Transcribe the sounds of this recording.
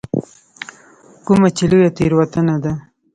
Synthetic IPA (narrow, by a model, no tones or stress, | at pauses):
kumat͡ʃilujat̪eɾwat̪ənad̪a